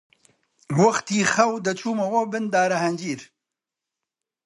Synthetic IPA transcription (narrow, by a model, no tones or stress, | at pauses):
wɐxt̪iːxɐwd̪ɐt͡ʃʰuːmɐwɔbɨnd̪aːɾɐhɐnd͡ʒiːɾ